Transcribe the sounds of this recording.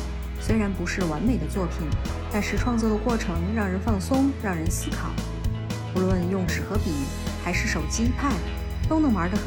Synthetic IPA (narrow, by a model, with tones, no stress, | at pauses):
swe˥ɪɻa˧˥npu˧˥ʂɻ̩˥˩wa˧˥nme˨˩ɪd̪ə˦t͡swɔ˥˩pʰi˨˩˦n | t̪a˥˧nʂɻ̩˥˩ʈ͡ʂʰwɑ˥˧ŋt͡swɔ˥˩d̪ə˩kwɔ˥˩ʈ͡ʂʰɤ˧˥ŋɻɑ˥˩ŋɻə˧˥nfɑ˥˩ŋsʊ˥ŋɻɑ˥˩ŋɻə˧˥nsɹ̩˥kʰɑ˨˩˦ʊ | pu˧˥lwə˥˧njʊ˥˩ŋʂɻ̩˨˩xɤ˧˥pi˨˩˦ | xa˧˥ɪʂɻ̩˥˩ʂo˨˩ʊt͡ɕi˥p̪ʰa˥˩n | t̪o˥ʊnɤ˧˥ŋə˞˧˥d̪ə˧x